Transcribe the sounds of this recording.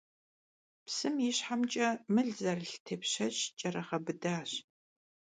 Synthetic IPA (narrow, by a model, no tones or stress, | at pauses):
psɨmjiɕħamt͡ʃʼɐmɨɮzɐrɬtʰeːpɕɐt͡ʃt͡ʃʼɐrɐχɐbɨdaːɕ